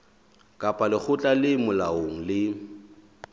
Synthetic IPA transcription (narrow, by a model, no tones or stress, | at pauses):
kʼapʼalɪk͡xʰʊt͡ɬʼalɪmʊlaoŋ̩lɪ